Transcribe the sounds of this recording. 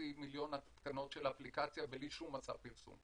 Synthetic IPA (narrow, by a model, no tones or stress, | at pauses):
imiljo̞nat̪t̪kano̞tʃelaaplikat͡sjaveliʃumːat͡sa̰vpiʁsṵm